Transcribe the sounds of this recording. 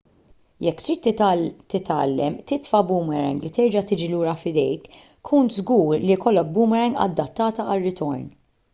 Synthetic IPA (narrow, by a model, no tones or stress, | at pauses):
jɛkːt̪ɾiːt̪ːt̪ɪt̪ɐːlːɛmt̪ɪt̪fɐbuːmɛɾɛ̰ŋɡlit̪ɛɾd͡ʒɐt̪ɪːd͡ʒiluːɾɐfɪd̪ɛjk | kʰːuːnt̪zɡuːɾlikɔlːɔk̚buːmɛɾɛŋɡɐ̰d̪ːɐt̪ːɐːt̪ɐɐrːɪt̪ɔɾn